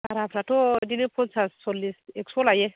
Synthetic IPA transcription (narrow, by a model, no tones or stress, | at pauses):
aɾapʰɾatodinepʰont͡sʰassolːiseksolaje